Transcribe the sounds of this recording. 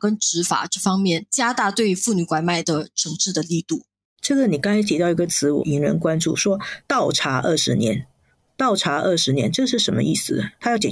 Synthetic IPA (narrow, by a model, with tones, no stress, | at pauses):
kə˥nʈ͡ʂɻ̩˧˥fa̰˨˩ʈ͡ʂɤ˥˩fɑ˥ŋmjɛ˥˩nt͡ɕja˥t̪a˥˧t̪we˥˩ɪy˧˥fu˥˩ny˨˧˥kwa˧˥ɪma˥˩ɪd̪ə˩ʈ͡ʂʰɤ˧˥ŋʈ͡ʂɻ̩˥˩d̪ə˩li˥˧t̪u˥˩ | ʈ͡ʂɤ˥˩ɡə˨˩ni˨˩kɑ˥ŋa˧˥ɪt͡ɕʰt̪jɑ˥˩ʊi˧˥ɡə˧t͡sʰɹ̩˧˥wɔ̰˨˩i˧˥ŋɻə̰˧˥nkwa˥nʈ͡ʂṵ˥˩ʂwɔ˥t̪ɑ˥˩ʊʈ͡ʂʰa˧˥ʔə˥˩ʂɻ̩˧˥njɛ̰˧˥n | t̪ɑ˥˩ʊʈ͡ʂʰa˧˥ʔə˥˩ʂɻ̩˧˥njɛ˧˥nʈ͡ʂɤ˥˧ʂɻ̩˥˩ʂə˧˥nmə̰˧ʔḭ˥˩sɹ̩˨˩d̪ə˩t̪ʰa˥jʊt͡ɕjɛ˨˩